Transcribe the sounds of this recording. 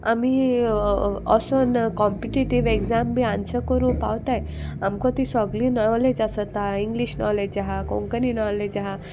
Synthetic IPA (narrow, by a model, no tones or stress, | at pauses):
a̰mi | ɔsonkɔmpiʈiʈiʋeɡd͡zambʱiãnsəkəɾũpawt̪aj | amkɔ̃t̪isɔɡlinɔled͡ʑasət̪aiŋɡliɕnɔ̰leaɦakɔ̰̃ŋkəninɔled͡ʑaɦa